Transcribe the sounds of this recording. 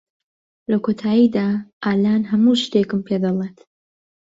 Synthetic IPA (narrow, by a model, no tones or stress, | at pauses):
lɐkʰot̪ʰaːjid̪aːʔaːlaːnɦɐmuʃt̪ekɨmpʰed̪ɐlˠet̪